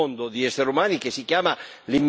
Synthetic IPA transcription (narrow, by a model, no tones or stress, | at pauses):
ond̪od̪iɛsːeɾumaːnikesːikjaːmalimː